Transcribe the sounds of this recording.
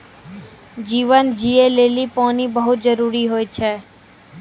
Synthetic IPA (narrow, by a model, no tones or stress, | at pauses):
d͡ʒiʋənd͡ʒielelipɔnibəɦut̪d͡ʒəɾuɾiɦojt͡ʃʰe